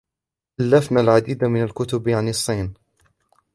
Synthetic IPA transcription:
ʔalːafnalʕad̪iːd̪amɪnalkʊt̪ʊbjʕanɨsˤːiːn

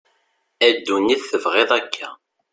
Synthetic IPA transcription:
æd̪ːuniθθəvʁeðˤækʰːæ

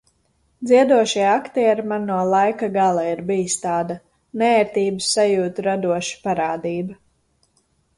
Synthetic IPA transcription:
d̪zʲiɛd̪uɔʃiakt̪ɛjaɾmanːuɔlˠajkaɡalˠaiɾbijst̪aːd̪a | nɛɛɾt̪iːbɨsːajuːt̪uɾad̪uɔʃi̥paɾaːd̪iːba

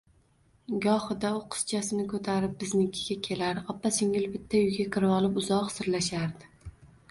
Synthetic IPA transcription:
ɡɒhɨd̪aʊqʰɨ̥st͡ʃʰasɪnɪkʰɵt̪ʰaɾɪp̚bɪznɪkʲʰɪ̥ɡʲakʲʰe̞laɾɒpːasɪŋɪlbɪt̪ʰːajʊjɡʲakʲʰɪɾɪɒlˠɪpʊzɒqsɪɾlaʃaɾd̪ɪ

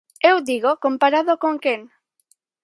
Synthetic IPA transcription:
ewd̪iɣokompaɾaðokoŋkeŋ

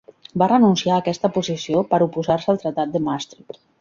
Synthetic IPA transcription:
barənunsiaəkɛst̪əpuzisiopəɾupuzarsəːlˠt̪ɾət̪at̪̚d̪əmast̪ɾit̪

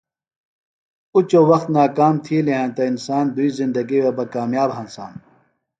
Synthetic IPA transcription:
ut͡ɕowɐxt̪naːkaːmt̪ʰiːleɦãːnt̪ɐinsaːnd̪uizĩnd̪ɐɡiwebɐkaːmjaːbɦɐnsa̰ːn

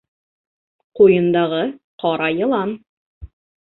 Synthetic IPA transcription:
qujɤ̆nd̪ɑʁɤqʰɑɾɑjɤ̆lˠɑn

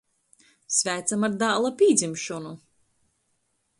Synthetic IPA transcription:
svæːt̪samaɾd̪aːlˠapʲiːd̪zʲimʃɔnu

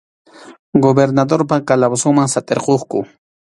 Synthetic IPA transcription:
ɡobeɾnad̪oɾpakalabsʊŋmaŋsat̪eɾqoχkʊ

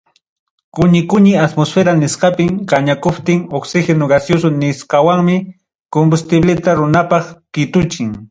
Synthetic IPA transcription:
kʊɲɪkʊɲɪat̪mosfeɾanɪsqɑpɪmɢɑɲakʊpt̪ɪŋoksɪxenoɡasjos̬ʊnɪsqɑwaŋmɪ | kombʊst̪ɪblɪt̪aɾʊnapɑχkɪt̪ʊt͡ʃɪŋ

